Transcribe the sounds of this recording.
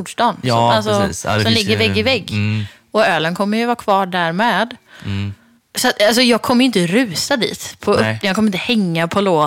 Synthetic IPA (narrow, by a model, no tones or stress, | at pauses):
ʂdɑːnɔalsɔsɔmlɪɡːəɾvɛɡːɪvɛɡː | ɔøːlənkʰɔmːəjɵvɑːkʰvɑːɖæɾmeːd̪ | sat̪als̬ɔjɑːɡ̚kʰɔmːəɾjɪnt̪əɾʉ̟ːsad̪ḭːt̪pʰɔɵp̪ːjɑːkʰɔməɾɪnt̪əhɛŋːapʰɔloː